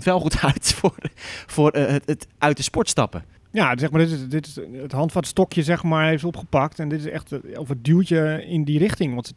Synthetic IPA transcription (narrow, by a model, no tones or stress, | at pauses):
tʋɛlˠχutʰœɥtforfʊːrətʔœɥtdəspɔɹtstɑ̰pə̰ | jasɛxmaːɹdɪtɪsdɪtɪətɦɑntfɔnətstɔkjəzɛxmaɹeftopχəpak̚tɛndɪtɪsɛ̰xtofət̚dylˠtəɪndirɪxtɪŋʋɑntsə